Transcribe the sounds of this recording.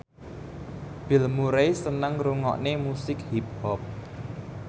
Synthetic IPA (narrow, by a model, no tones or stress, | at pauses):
b̥ɪ̤lmuɾejsənəŋɾuŋɔ̰ʔnemusɪkhip̚hɔp̚